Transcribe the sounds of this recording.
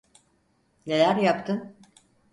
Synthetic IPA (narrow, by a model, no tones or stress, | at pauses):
ne̞lʲæɾjapt̪ʰɯn